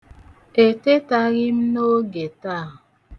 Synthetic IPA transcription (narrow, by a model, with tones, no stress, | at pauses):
e˨te˦ta˦ɣi˦m̩˦no˦ɡe˨ta˦˨ʊ˨